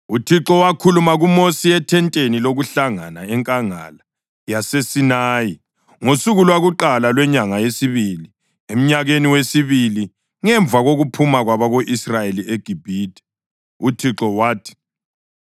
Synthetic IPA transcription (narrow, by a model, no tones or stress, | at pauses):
utʰiǁɔwakʰulumaɣumosiɛtʰɛntʼeniloɣuɬaŋanaɛŋkʼaŋa̰la | jasesinaːji | ŋosuɣulwaɣuǃalalwɛɲaŋajesiβili | em̩ɲaɣeniwesiβili | ŋɛɱb̪vʱaɣoɣupʰumaɣwaβaɣoʔisrajelieɡ̥ʱib̥ʱiːd̥ʱɛ̥ | utʰiǁɔwaːtʰi̥